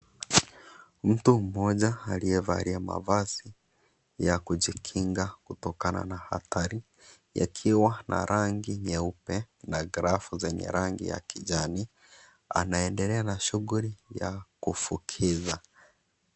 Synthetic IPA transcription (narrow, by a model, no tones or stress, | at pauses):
m̩tum̩mɔʄaːliɛva̰ɾiama̰vazi | jakud͡ʒikʰiŋɡakutɔkana̰naha̰taɾi | ja̰kʰiwanʔa̰ɾʔaŋɡiɲɛupɛ | naɡɾafuzɛɲɛ̰ɾaŋɡḭja̰kid͡ʒani | a̰naɛndɛlɛanaʃuɣulijakufukʰiza